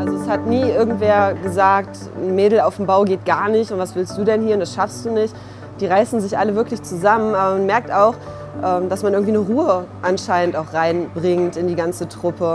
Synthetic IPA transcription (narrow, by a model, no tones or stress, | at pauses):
ʔalzoɛshatniːʔɪɐɡŋ̩tv̥eːɐɡəzaːk̚t | n̩meːdl̩aʊfm̩baʊɡeːt̚ɡ̥aːɐnɪçtʊntv̥asv̥ɪlstd̥uːdɛnhiːɐʊntd̥asʃafsd̥uːnɪçt | d̥iːʁaɪsn̩zɪçʔaləvɪɐklɪçt͡suzamənʔaːbɐmanmɛɐk̚taʊx | ʔɛːmdasmanʔɪɐɡŋ̩v̥iːnəʁuːəʔanʃaɪnəntaʊxʁ̥aɪnbʁɪŋtɪndiːɡant͡sətʁ̥ʊpə